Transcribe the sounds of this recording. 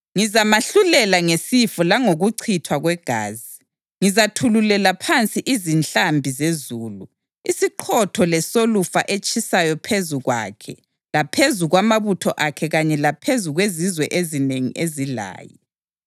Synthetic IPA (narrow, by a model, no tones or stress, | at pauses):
ŋizamaɬulɛlaŋesifɔlaŋoɣuǀʰitʰwaɣwɛɡ̥ʱa̰ːzi | ŋizatʰululɛlapʰant͡sʼiʔizint͡ɬambʱizezuːlu | isiǃʰɔtʰɔlɛsolufa̰ʔet͡ʃʼʰisajɔpʰezuɣwa̰kʰɛ̰ | lapʰezuɣwamaβutʰɔʔakʰɛɣaɲɛlapʰezuɣwezizwɛʔezineŋḭʔezila̰ːjɔ